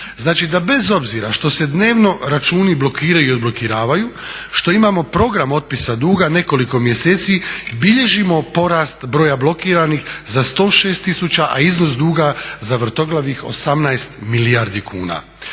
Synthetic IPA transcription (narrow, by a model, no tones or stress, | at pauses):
znaːt͡ʃid̪abe̞zo̞bziɾa̰ʃt̪o̞se̞d̪ne̞ːʋno̞ɾat͡ʃuːniblo̞kiːɾajuio̞d̪blo̞kiɾaːʋajuʃt̪o̞imamo̞pɾo̞ɡɾamo̞t̪̚pisad̪uːɡane̞ko̞liko̞mje̞seːt̪sibiʎe̞ʒimo̞po̞ɾaːst̪bɾo̞ːjablˠo̞kiːɾanixzast̪o̞ːʃe̞ːst̪isut͡ɕaʔa̰izno̞sd̪uːɡazaʋr̩t̪o̞ɡlˠaʋixo̞̰samnajest̪miliaɾd̪ikʰṵːna̰